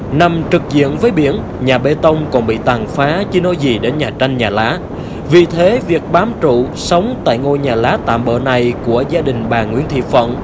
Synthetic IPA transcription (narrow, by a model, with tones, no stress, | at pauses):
na˨˩mt͡ɕɨ˨˩k̚zḭ˧˨ənvəː˨˦jɓi˧˩ən | ɲaː˨˩ɓe˧t̪ə˧wŋ͡mkɔ˨˩nɓḭ˧˨t̪aː˨˩ŋfaː˨˦t͡ɕi˧no˨˦jzi˨˩ɗe˨˦nɲaː˨˩t͡ɕa˧jŋ̟ɲaː˨˩laː˨˦ | vi˨˩t̪ʰe˨˦vi˨˩ək̚ɓaː˨˦mt͡ɕṵ˧˨ | sə˨˦wŋ͡mt̪a̰ː˧˨jŋo˧jɲaː˨˩laː˨˦t̪a̰ː˧˨mɓə̰ː˧˨na˨˩jku˧˩əzaː˧ɗï˨˩ŋ̟ɓaː˨˩ŋwi˧˥ənt̪ʰḭ˧˨fə̰˧˨n